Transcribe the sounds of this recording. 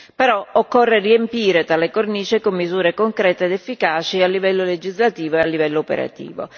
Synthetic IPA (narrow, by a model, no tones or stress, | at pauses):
peɾɔokːorːeriempiːɾet̪alekorniːt͡ʃɪkomːizuːɾekoŋkɾɛːt̪eːd̪efːikaːt͡ʃialːivɛlːoled͡ʒizlat̪iːvoealːivɛlːoopḛɾa̰t̪ḭːvo̰